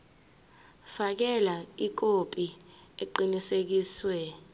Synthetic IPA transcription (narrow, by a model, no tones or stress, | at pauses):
fak̬ɛlaik̬opʼieǃinisek̬iːswɛ